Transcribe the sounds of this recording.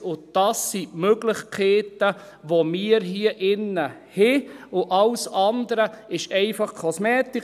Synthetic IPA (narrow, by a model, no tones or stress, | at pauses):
ʊd̥ɑsːimøɡlɪχkʰeːtə | ʋomiːəɾɦiəʔɪnːə | hɛʊʔɑlsɑnd̪əɾəɪʃɛɪfɑχkʰɔsmɛːtɪ